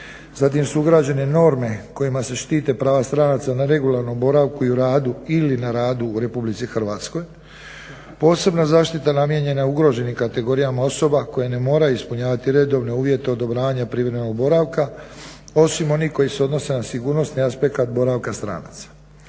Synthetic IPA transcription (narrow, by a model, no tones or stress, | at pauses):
zat̪̬imsuuɡɾaːd͡ʑe̞ne̞no̞ːɾme̞ko̞imase̞ʃt̪iːt̪e̞pɾaːʋast̪ɾanaːt̪sanaɾe̞ɡulaɾno̞mbo̞ɾaʋkuiuɾaːd̪uilinaɾaːd̪uːɾe̞publit̪sixr̩ʋaːt̪sko̞j | po̞ːse̞bnazaːʃt̪it̪anamje̞ɲe̞nauɡɾo̞ʒe̞nimkat̪e̞ɡo̞ɾijamao̞so̞bako̞jene̞mo̞ːɾaispuɲaːʋat̪iɾe̞d̪o̞ːʋne̞uːʋje̞t̪e̞o̞d̪o̞bɾaːʋaɲapɾiːʋɾemeno̞ɡ̚bo̞ɾaʋka | o̞simo̞nihko̞jiseo̞d̪no̞se̞nasiɡuːɾno̞sniaspe̞kat̪bo̞ɾaʋkast̪ɾa̰ːna̰ːt̪sḁ